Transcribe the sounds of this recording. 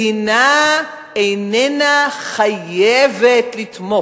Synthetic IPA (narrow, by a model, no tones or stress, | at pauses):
ina | ejnenaχajevetlitmo